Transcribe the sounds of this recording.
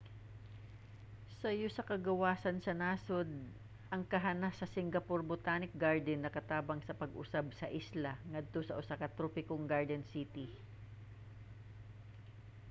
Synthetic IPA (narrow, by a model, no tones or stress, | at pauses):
sɐjosɐkɐɡɐwaːsɐnsɐnaːsod̪̚ | ʔɐŋkɐɦanasɐsɪŋɡɐpoɾbʊt̪aːnɪk̚ɡaɹd̪ɛnːɐkɐt̪aːbɐŋsɐpɐɡʔʊ̰sabsɐʔislɐŋɐd̪̚t̪o̞sɐʔʊsaːkɐt̪ɾoːpɪkoŋɡaɹd̪ɛnsit̪i